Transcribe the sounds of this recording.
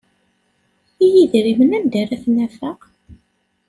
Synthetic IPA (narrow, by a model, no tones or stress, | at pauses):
ijiðɾimənænd̪æræθnæfəq